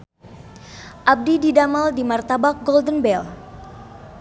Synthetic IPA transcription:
ʔab̚dididamaldimart̪abak̚ɡɔldənbɛl

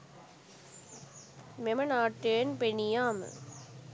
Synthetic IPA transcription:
memɐnaːʈːeːnpenijaːmə̰

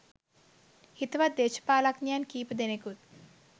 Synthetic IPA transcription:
hit̪ʋad̪d̪eːʃɐ̥paːlaknjaːnkiːpɐd̪enekut̪̚

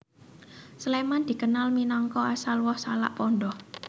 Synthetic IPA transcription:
slemand̪̥i̤kənalminɔŋkɔasalwɔhsala̰ʔpɔnɖɔh

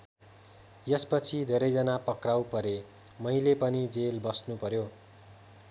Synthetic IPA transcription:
jʌspʌt͡sʰid̪ʱeɾʌjd͡zʌnapʌkrawpʌɾe | mʌilepʌnid͡zelbʌsnupʌɾjo

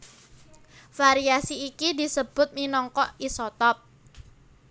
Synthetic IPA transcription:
faɾiasiːkidi̤səb̥ʊ̤t̪̚minɔŋkɔʔisɔt̪ɔp̚

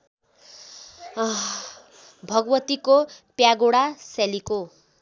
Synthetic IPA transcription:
bʱʌɡʌwʌt̪ikopjaɡoɽasaliko

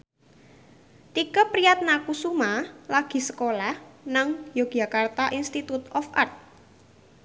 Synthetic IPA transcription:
t̪ikəpɾijat̪̚nakusumalaɡ̥i̤səkolahnaŋjoɡ̥a̤kart̪aʔinst̪it̪ut̪ɔfʔa̰rt̪̚

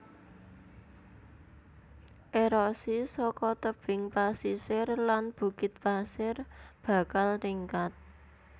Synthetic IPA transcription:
ʔeɾɔsisɔkɔt̪əb̥ɪŋpasisɪrlanb̥ṳkɪt̪̚pasɪrb̥ä̤kalriŋkat̪̚

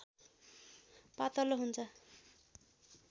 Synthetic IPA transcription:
pat̪ʌloɦunt͡sʰʌ

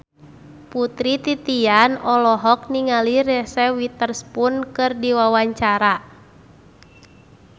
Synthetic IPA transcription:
put̪ɾit̪it̪ianɔlɔɦɔk̚niŋaliɾɛsɛwit̪ərspunkɨrdiwawaɲt͡ʃaɾa

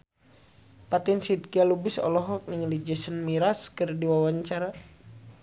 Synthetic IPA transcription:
pat̪insid̚kialubisɔ̰lɔɦɔk̚niŋlid͡ʒəsənmiɾaskərdiwawaɲt͡ʃaɾa

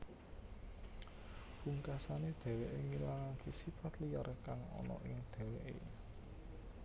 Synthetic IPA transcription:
b̥uŋkasaned̪̥ɛ̤weʔeŋilaŋakesifat̪lijarkaŋɔ̰nɔ̰ʔɪŋd̪̥ɛ̤weʔḛ

